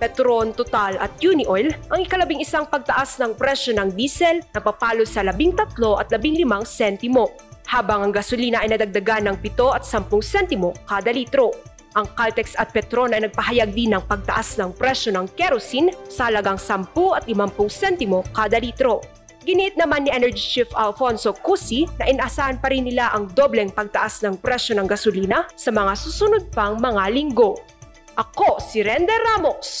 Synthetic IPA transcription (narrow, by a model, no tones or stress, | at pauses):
pɛt̪ɾo̞nt̪ot̪alɐ̰t̪̚junɪʔojlʔɐŋɪkɐlɐbiŋɪsaŋpɐɡ̚t̪ɐʔasnɐŋpɾɛʃo̞nɐŋd̪iːsɛlnɐpɐpaːlosɐlɐbiŋt̪ɐt̪lo̞ʔɐt̪̚lɐbiŋlɪmaŋsɛnt̪ɪmo̞ | haːbɐŋʔɐŋɡɐsʊliːnɐʔɐjnɐd̪ɐɡ̚d̪ɐɡanːɐŋpɪt̪o̞ʔɐt̪̚sɐmpʊŋsɛnt̪ɪmo̞kaːd̪ɐliːt̪ɾo̞ | ʔɐŋkalt̪ɛksɐt̪̚pɛt̪ɾo̞nɐjnɐɡ̚pɐɦɐjaɡ̚d̪inɐŋpɐɡ̚t̪ɐʔasnɐŋpɾɛʃo̞nɐŋkɛɾosinsɐhɐlɐɡaŋsɐmpuʔɐt̪ʔɪmampʊŋsɛnt̪ɪmo̞kaːd̪ɐliːt̪ɾo̞ | ɡɪniʔɪt̪̚nɐmanːiʔɛnɛɹd͡ʒit͡ʃɪfɐlfonsokusinɐʔɪnʔɐsaːhɐnpɐɾinːɪlaʔɐŋd̪o̞blɛŋpɐɡ̚t̪ɐʔasnɐŋpɾɛʃo̞nɐŋɡɐsʊliːnɐsɐmɐŋasusʊnod̪̚pɐŋmɐŋalɪŋɡo̞ | ʔɐkosɪɾɛnd̪ɛɾamos